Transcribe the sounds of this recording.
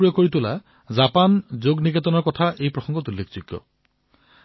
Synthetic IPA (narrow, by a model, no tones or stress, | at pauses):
ɹiɔkːoɹitʊla̰ | zapanzoɡniɡatɔnɔɹkɔtʰaʔejpɹɔxɔŋɡɔtulːekʰz̥uɡːɔ̰